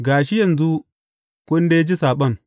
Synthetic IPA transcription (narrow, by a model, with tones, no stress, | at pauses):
ɡaː˨ʃi˦ja˨nzu˦ | ko˦nde˦d͡ʒi˦sa˨ɓɐ˦˨n